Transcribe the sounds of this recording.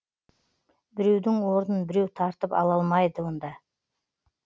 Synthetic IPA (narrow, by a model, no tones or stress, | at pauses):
bɪɾe̞wd̪ɪŋwo̞ɾd̪ənbɪɾe̞wt̪ʰɑɾt̪əpɑ̰lˠɑlˠmɑjd̪əwo̞nd̪ɑ